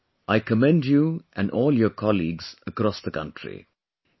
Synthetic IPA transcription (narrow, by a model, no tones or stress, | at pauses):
ʔaɪkəmɛ̃ndjuʔæ̃nɖɔːljəkʰɑliːɡz̥əkɾɔsðəkʌ̰̃nʈɹḭ